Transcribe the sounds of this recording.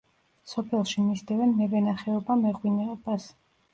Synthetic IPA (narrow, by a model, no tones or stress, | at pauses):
sɔpʰɛlˠʃimisd̪ɛvɛnmɛvɛnaχɛɔbamɛʁwinɛɔbas